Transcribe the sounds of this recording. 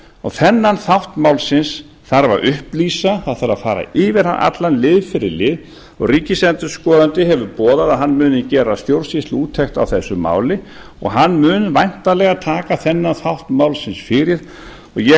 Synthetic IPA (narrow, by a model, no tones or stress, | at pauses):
ɔθɛnːanθawht̪mawlsɪns | θaɾva̰ɾʔʏhplisaθaðθaɾaðfaːɾa̰ɪːvɪɾ̥hanʔa̰t̪lanlɪːðfɪɾɪ̰ɾlɪːð | ɔɣriːcɪsɛnt̪ʏɾskɔːðant̪ɪɦɛvʏpɔːðaðaðɦanːmʏːnɪcɛːɾast̪jowlsist̪luːt̪ʰext̪a̰wθɛsːʏma̰ːwlɪ | ɔ̰ɣɦanːmʏːnvajn̥t̪alɛɣat̪ʰaːkaθɛnːanθawht̪mawlsɪnsfɪɾɪɾ̥ | ɔɣjɛ